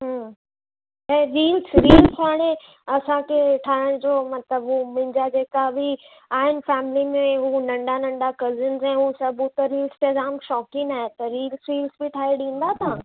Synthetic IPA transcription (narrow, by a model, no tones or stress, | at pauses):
ɦə̃ː | ɛ̃ːɾiːlsɾiːlsaːɽ̃ẽ | ɐsãkʰeʈʰaːɪɽ̃d͡ʑoːmɐt̪ləbɦuːmʊ̃ɪ̃d͡ʑad͡ʑeːkabɪ | aːɦɪnɪ̆fɛːmɪlimẽɦuːnɐ̃ɳɖanɐ̃ɳɖakɐzənzɛ̃ːɦusɐbʱũt̪ɐɾiːlst̪ezaːmʃɔːkɪ̃ŋaːɦet̪ɐɾiːlsɾiːlsbɪʈʰaːiɗĩːnd̪at̪ʰãː